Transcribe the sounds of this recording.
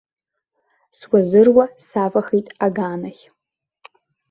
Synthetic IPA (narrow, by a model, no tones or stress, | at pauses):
swazɨrwasavaχijtʼaɡaːnaχʲ